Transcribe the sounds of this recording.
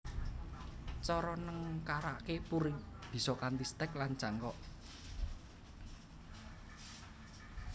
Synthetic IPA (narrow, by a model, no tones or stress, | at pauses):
t͡ʃɔɾɔnəŋkaɾa̰ʔkepuɾɪŋ | b̥i̤sɔkant̪ist̪ɛklan̥t͡ʃaŋkɔʔ